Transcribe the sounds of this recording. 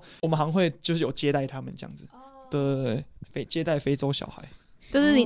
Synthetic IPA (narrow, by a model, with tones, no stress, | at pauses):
wɔ˨˩mə˦nɦɑ˧˦ŋxwe˥˨ɪt͡ɕjo˥˧ʊʂ̬ɻ̩˥˩jo˨˩ʊt͡ɕjɛ˦˥t̪a˥˩ɪt̪ʰa˦mə̰˨nʈ͡ʂə˧jɑ̰˥˩ŋd͡zɹ̩˨˩t̪ə˨fe˥ɪt͡ɕjɛ˦t̪a˥˩ɪfe˥ɪt͡so˥ʊɕjɑ̰˨˩ʊxa˧˦ɪ | t͡ɕo˥˧ʊʂɻ̩˥˩ni˨˩